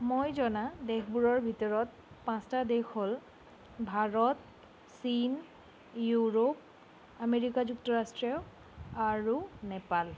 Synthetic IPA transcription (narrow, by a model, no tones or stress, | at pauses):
mojzɔnadexʰbuɹɔɹbʱitɔɹɔt̚ | pãstadexol | bʱaɹɔt | sin | juɹop̚ | ameɹikazuk̚tɔɹastɹɛʊ | aɹunɛpal